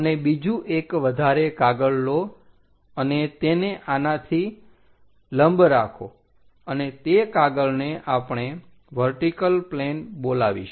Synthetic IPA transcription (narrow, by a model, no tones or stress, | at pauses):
ənebid͡ʒũʔekʋəd̪ʱaɾekaɡəɭːo | ənet̪eneʔanat̪ʰi | ləmbɾakʰo | ənet̪ekaɡəɭneʔapɳ̃e | ʋəɾʈikəlplenbolaʋḭʃ